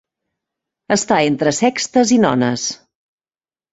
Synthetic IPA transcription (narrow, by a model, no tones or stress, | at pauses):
əst̪aent̪ɾəsɛkst̪əzinɔ̰nəs